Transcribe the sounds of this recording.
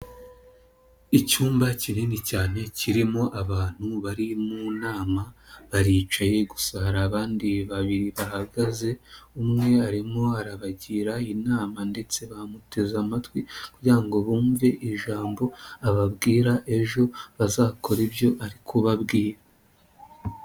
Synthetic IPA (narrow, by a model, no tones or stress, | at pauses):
icuːmbacinenicaːne̞ciɾimo̞ʔaβaːn̥huβaɾimunaːmaβaɾiːt͡ʃaje̞ɡusahɾaːβaːndiβaβiɾiβahaɡaze̞umŋe̞aɾimo̞aɾaβaɟiːɾainaːmande̞t͡se̞βamutʰe̞zamatwikuɟiɾaŋɡo̞βuːɱve̞ʔiʒaːmbo̞aβabɡiːɾaʔe̞ʒo̞βazaːkʰo̞ɾibjo̞ʔaɾikʰoβabɡiːɾa